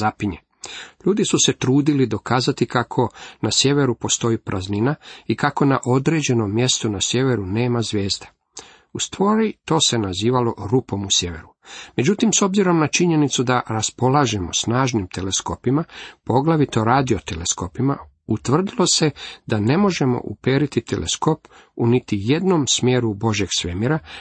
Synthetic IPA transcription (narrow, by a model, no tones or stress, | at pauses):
apiɲe | ʎuːd̪isuset̪ɾuːd̪ilid̪o̞kaːzat̪ikakʰo̞nasje̞ʋe̞ɾupo̞st̪o̞ipɾʔazninaikako̞naʔo̞d̪ɾed͡ʑe̞no̞mːje̞st̪unasje̞ʋe̞ɾune̞ːmazʋje̞ːzd̪ḁ | ust̪ʋo̞ːɾit̪o̞ːse̞naziːʋalo̞ɾupo̞musje̞ʋe̞̰ɾume̞d͡ʑut̪imso̞bziɾo̞mnat͡ʃiɲe̞nit̪sud̪aɾaspo̞laːʒemo̞̰snaːʒnimt̪ʰe̞leskopimapo̞ɡlaʋit̪o̞ɾaːd̪io̞t̪ele̞sko̞pima̰ | ut̪ʋr̩d̪ilˠo̞se̞d̪ane̞mo̞ʒe̞mo̰ʔṵpeːɾit̪it̪ʰelḛsko̞p | unit̪ije̞d̪nomsmjeːɾubo̞ʒje̞ɡ̥sʋemiɾa